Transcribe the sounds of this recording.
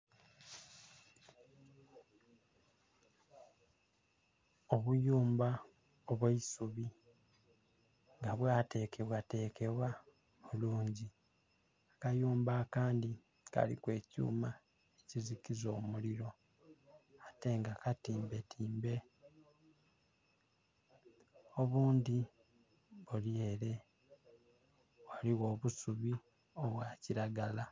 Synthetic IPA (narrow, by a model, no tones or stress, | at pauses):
oβujuːmba | oβwaisuβi | ŋɡaβwaːte̞ːkʰe̞βwate̞ːke̞βwa | muluːɲɟi | akajuːmbaːkaːndi | ka̰lḭkwe̞ːcṵːma | ecizikizo̞ːmuliɾo̞ | ate̞ŋɡakatiːmbe̞tʰiːmbe̞ | o̞βuːnd̪i | βulie̞le̞ | waliɣo̞ːβusuβi | o̞βwaːciɾaɡala